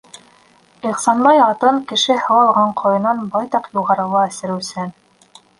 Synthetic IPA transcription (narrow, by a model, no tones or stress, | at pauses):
iχsɑnbɑjɑt̪ɤɴkɘ̆ʃɘhɤ̆wɑlˠʁɑɴqʰŏjɤ̆nɑnbɑjt̪ɑqjuʁɑɾɤ̆lˠɑæ̆sɘ̆ɾɘ̆wsɘn